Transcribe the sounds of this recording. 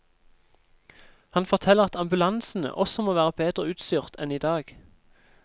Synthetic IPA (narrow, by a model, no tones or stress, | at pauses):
hɑnfɔʁt̪ʰɛləʁɑt̪ɑmbʉlɑnsn̩ə̰ʔɔsɔmoːʋæːʁəbeːd̪ʁəʉːt̪st̪ʏːʁt̪ʰɛniːd̪ɑːɡ̥